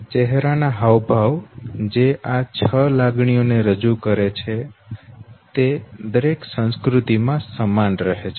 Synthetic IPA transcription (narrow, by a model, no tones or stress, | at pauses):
t͡ʃɛɦɾanaɦaʋbʱaʋd͡ʒeʔat͡ʃʰəlaɡɳ̃ijoneɾəd͡ʒukəɾet͡ʃʰe | t̪ed̪əɾeksə̃ñskɾut̪imãsəmanɾəɦet͡ʃʰe